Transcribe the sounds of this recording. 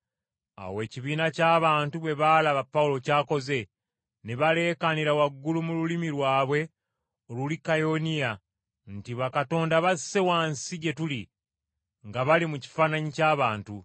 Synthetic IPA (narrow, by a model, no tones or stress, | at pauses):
a̰we̞ːciβiːnacaːβaːntuβe̞βaːlaβapːaulo̞caːko̞ze̞ | neβale̞ːkaniɾawaɡːulumululimiɾwaːβwe̞ | olulikajo̞nija | ntiβakato̞ːndaβase̞wansiɟe̞tuli | ŋɡaβalimuci̥faːnaɲicaːβaːntu